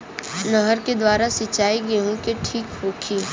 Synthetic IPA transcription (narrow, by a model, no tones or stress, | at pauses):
nəɦəɾked̪waːɾasit͡ʃaːiɡeɦũkeʈʰiːkhoːkʰiː